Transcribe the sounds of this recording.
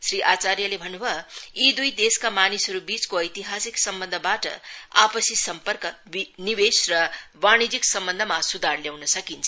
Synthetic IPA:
sriʔat͡sarjʌlebʱʌnubʱʌid̪ujd̪eskamanisɦʌɾubit͡skoʌjt̪iɦasiksʌmbʌnd̪ʱʌbaʈʌ̰a̰pʌsisʌmpʌrkʌbiniwesrʌbañid͡ziksʌmbʌnd̪ʱʌmasud̪ʱarljawnʌsʌkint͡sʰʌ

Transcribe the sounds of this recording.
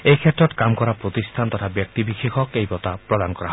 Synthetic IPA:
ejkʰet̪ɾɔtkamkɔɾapɾot̪ist̪ʰant̪ɔt̪ʰabjɔk̚t̪ibixixʰɔkejbɔt̪apɾɔd̪anɔkɔɾaɦɔe

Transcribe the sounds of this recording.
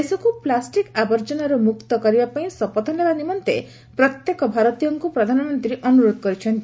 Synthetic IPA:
esɔkuplasʈikabɔɾd͡ʒɔnaɾumukt̪ɔkɔɾibapaĩsɔpɔt̪ʰɔnebanimɔnt̪ḛ | pɾɔt̪jekɔbʱaɾɔt̪ijɔŋkupɾɔd̪ʱanɔmɔnt̪ɾiɾeʔɔnuɾod̪ʱɔkɔɾit͡ʃʰɔnt̪

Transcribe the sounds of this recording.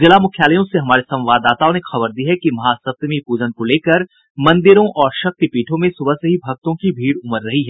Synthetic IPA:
d͡ʒɪlamʊkʰjaːləjõseɦɐmaːɾesɐ̃ʋaːd̪aːt̪aõnexɐbəɾd̪iːɦɛkimɐɦaːsɐt̪mipuːd͡ʒənkoleːkəɾ | mɐ̃nd̪ɪɾõʔɔːɾʃɐk̚t̪ipiːʈʰõmẽsʊbəsɐɦibʱɐɡ̚t̪õkibʱiːɽʊməɾːɐɦiɦɛː

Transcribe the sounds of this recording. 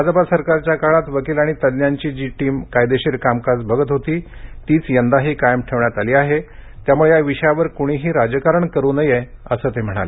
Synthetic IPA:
bʱad͡zpasəɾkaɾt͡ɕjakaɭat̪ʋəkiːlaɽ̃it̪ədnjaɲt͡ɕiːd͡ʑiːʈiːmkajd̪eɕiɾkamkad͡zbʱəɡət̪ɦot̪iːt̪iːt͡sjənd̪aɦiːkajəmʈʰeʋɳjat̪aliːaɦet̪jamuɭejaʋiɕəjaʋəɾkuɽ̃iːɦiːɾad͡ʑəkaɾəɳkəɾunəjeəsəːt̪em̤əɽ̃a̰le

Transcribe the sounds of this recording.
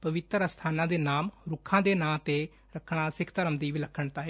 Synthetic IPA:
pəʋɪt̪əɾəst̪ʰaːnãːd̪eːnaːmɾʊkʰːãːd̪eːnãːt̪eː | ɾəkʰːɳ̃aːsɪkʰt̪əɾəmd̪iːʋiːləkʰːəɳt̪aːɦe

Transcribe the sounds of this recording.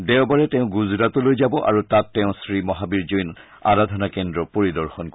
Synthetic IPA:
dɛʊbaɹɛtɛ̃ʊ̃ɡuzɹatɔlojzabɔʔa̰ɹutatːɛʊ̃sɹimɔɦabiɹzojn | a̰ɹadʱɔnakɛndɹɔpoɹidɔɹxɔnk

